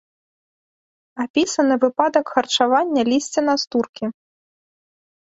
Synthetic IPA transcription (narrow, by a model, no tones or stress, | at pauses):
apʲisɐnɨvɨpad̪ɐkxɐrt͡ʂavanʲːɐlʲisʲt͡sʲɛnast̪urkʲi